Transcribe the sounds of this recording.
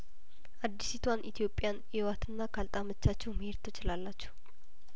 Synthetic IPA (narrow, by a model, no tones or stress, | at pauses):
ʔad̪ːisit̪ʰwanʔit̪ʰijo̞pʼjan | ewat̪ʰɨnːakʰalt̪ʼamət͡ʃːat͡ʃːɛwməheɾt̪ʰot͡ʃːɪlalːat͡ʃːɛh